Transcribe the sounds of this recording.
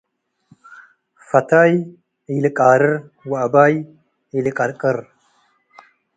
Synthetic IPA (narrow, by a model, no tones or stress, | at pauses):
fɐtʰaj | ijlɨkʼaːɾɨɾwabaj | ijlɨkʼɐɾkʼəɾ